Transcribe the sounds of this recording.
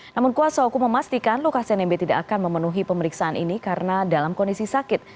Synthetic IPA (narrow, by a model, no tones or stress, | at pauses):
namʊnkuasakuməmast̪ikanlukasɛnɛmbet̪idaʔakanməmənuɦipəməɾiksaanʔḭnikaɾənadalamkɔndisisakɪt̪̚